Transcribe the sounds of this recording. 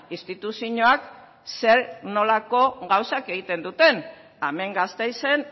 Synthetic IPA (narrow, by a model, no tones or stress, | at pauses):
ist̪it̪usiɲoak | se̞ɾno̞lako̞ɣawsake̞ɣ̞it̪e̞nd̪ut̪e̞n | ame̞ŋɡast̪e̞jse̞n